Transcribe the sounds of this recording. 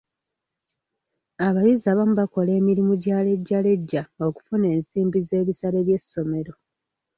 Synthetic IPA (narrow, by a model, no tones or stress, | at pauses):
aβajizaːβamuβako̞le̞ːmiɾimuɟaːle̞ɟːale̞ɟːao̞ku̥fune̞ːnsiːmbize̞ːβisale̞βje̞sːo̞me̞ɾo̞